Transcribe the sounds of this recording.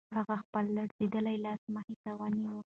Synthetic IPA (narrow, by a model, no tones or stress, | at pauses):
haɣaxpəlːaɽzed̪əlajlɑsmahit̪awaniwə